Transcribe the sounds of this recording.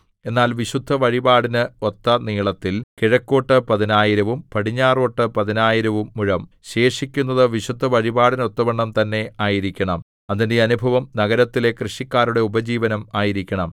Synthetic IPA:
e̞nːaːlʋiɕud̪ʱːɐʋɐɻibaːɽinɨot̪ːɐniːɭɐt̪ːilkiɻɐkːo̞ːʈːɨpɐðinaːjiɾɐʋumpɐɽiɲːaːroːʈːɨpɐðinaːjiɾɐʋumːuɻɐm | ɕe̞ːʂikʲːunːɐðɨʋiɕud̪ʱːɐʋɐɻibaːɽino̞t̪ːɐbɐɳːɐmt̪ɐnːe̞ʔaːjiɾikʲːɐɳɐm | ɐðinde̞ɐnubʱɐʋɐmnɐɣɐɾɐt̪ːile̞krɨʂikʲːaːɾuɽe̞ubɐd͡ʑiːʋɐnɐmaːjiɾikʲːɐɳɐm

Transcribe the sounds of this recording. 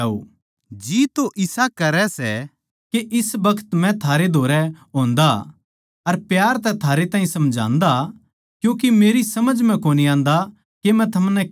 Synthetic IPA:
o̰ː | d͡ʒiːt̪oʔɪsakɐɾɛsɛ̰ | keʔɪsbɐkʰə̥t̪mɛ̃t̪ʰaːɾed̪ʱoːɾɛɦõːnd̪a | ɐɾpjaːɾt̪ɛt̪ʰaːɾet̪ãːɦĩsɐmd͡ʒʱã̰ːnd̪a | kjũːk̬emeːɾisɐməd͡ʒmɛ̃koːniãːnd̪a | kemɛ̃t̪ʰɐmnɛ

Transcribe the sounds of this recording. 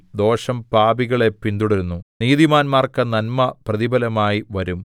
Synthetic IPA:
d̪o̞ːʂɐmpaːbiɣɐɭe̞pːind̪uɽɐɾunːuniːðimaːnmaːrkɐnɐnmɐprɐðibɐlɐmaːjiʋɐɾum

